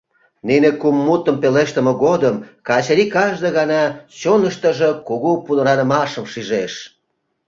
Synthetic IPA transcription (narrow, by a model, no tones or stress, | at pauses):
ninekumːut̪əmpeleʃt̪ə̆mə̆ɣod̪əmkɑt͡ɕɾikɑʒd̪ə̆ɣɑnɑt͡ɕonəʃt̪əʒəkuɣupunə̆ɾɑnə̆mɑʃə̆mʃiʒeʃ